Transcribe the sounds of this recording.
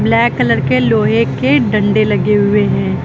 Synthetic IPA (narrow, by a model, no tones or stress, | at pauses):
blɛːkːələɾkeloːɦekeɖɐ̃ɳɖelɐɡeɦʊeɦɛ̃ː